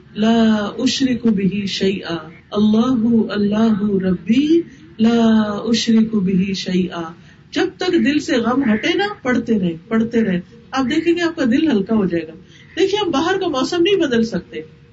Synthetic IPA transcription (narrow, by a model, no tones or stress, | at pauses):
laːʔʊʃɾɪkbɪɦiʃɐjʔaː | ɐlːaːɦʊɐlːaːɦʊɾɐbːiː | laːʊʃɾɪkbɪɦiʃɐjʔaː | d͡ʒɐb̚t̪ɐkd̪ɪlseɣɐmɦɐʈenapɐɽt̪eɾɐɦẽːpɐɽt̪eɾɐɦẽ | aːp̚d̪eːkʰẽːŋɡeaːp̚kad̪ɪlɦɐlkaɦod͡ʒaːeːɡaː | d̪eːkʰieɦɐmbaːɦəɾkamɔːsəmnɐɦĩbɐd̪əlsɐk̚t̪e